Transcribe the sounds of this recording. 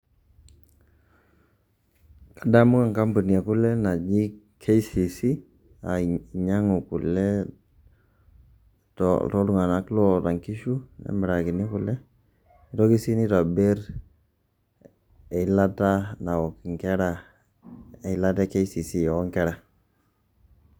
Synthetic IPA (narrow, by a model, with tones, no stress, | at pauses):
ka˨da˦mʊ˦ka˨ŋka˦mbu˨ni˨a˨kʊ˦lɛ˦na˨d͡ʒi˦ | kʰe˦i˦si˨si˦ | a˨ɲa˦ŋo˨kʊ˨lɛ˦ | tɔ̰tɔ˦ɾʊ˦ŋa˨na˨˦klɔ˦ta˨ŋki˦ʃu˦nɛ̰˦mɪ˨ɾa˨kɪ˨nɪ˦kʊ˨lɛ˦ | ɪ˦tɔ˦ki˦si˦nɪ˦ta˨be˦ɾ | e˨˦la˦ta˦na˨wɔ˨kɪ˨ŋkɛ˦ɾa˨ | e˨˦la˦tɛ˦ke˦si˨si˦jɔ˨ɔ˦ŋkɛ˦ɾa˨